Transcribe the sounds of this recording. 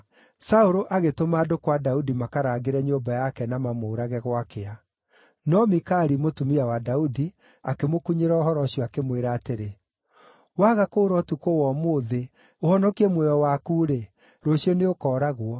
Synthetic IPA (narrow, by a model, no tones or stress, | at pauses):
saoɾoʔaɣetomaːdokwadaudimakaɾaːɡeɾɛɲombajakɛnamamoːɾaɣɛɣwakea | nɔmikaɾimotumiawadaudi | akemokuɲeɾɔɔɦɔɾɔɕiɔakemweɾaːteɾe | waɣakoːɾɔtukowɔmoːðe | ohɔnɔkiɛmwɛjɔwakuːɾe | ɾoɕiɔneokɔːɾaɣwɔ